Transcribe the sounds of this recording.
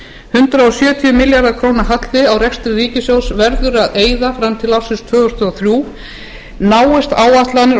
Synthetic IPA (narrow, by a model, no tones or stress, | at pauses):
hʏnt̪ɾaɔsjœːt̪ʰiʏmɪljaɾðakʰɾoːwnaɦat̪l̥ːɪawrɛkst̪ɾɪriːcɪsjowsvɛɾðʏɾaðeːjðafɾamt̪ʰɪlafsɪnst̪ʰvœːɣʏst̪ɔaθɾjuː | naːwɪst̪aːwat̪lanɪɾ